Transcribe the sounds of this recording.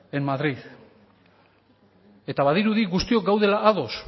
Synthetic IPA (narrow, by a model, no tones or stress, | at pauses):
e̞mmaðɾið | e̞t̪aβaðiɾuðiɣust̪io̞k̚ɡawðe̞laʔːðo̞s